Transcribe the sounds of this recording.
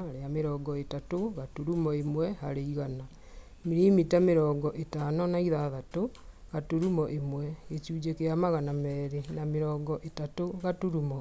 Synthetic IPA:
ɾeameɾɔːɡɔetatoɣatuɾumɔemwɛhaɾeiɣana | miɾimitameɾɔːɡɔʔetanɔnaiðaðatoɣatuɾumɔʔemwɛet͡ʃuːd͡ʒekeamaɣanamɛːɾenameɾɔːɡɔʔetatoɣatuɾumɔ

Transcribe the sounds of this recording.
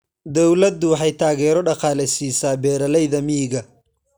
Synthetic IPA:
d̪ɔwlɐd̪ʊwħɑjt̪ʰaːɣɛːɾɔɖɑqɑːlɛsiːsaːbɛːɾɐlɛjðɐmiɣɐ

